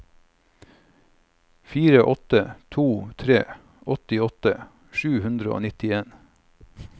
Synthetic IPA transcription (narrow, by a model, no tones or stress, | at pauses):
fiːɾəʔɔt̪ət̪ʰuːt̪ʰɾeː | ʔɔt̪ɪɔt̪ə | ʃʉːhʉnd̪ɾəo̰ːnɪt̪ɪeːn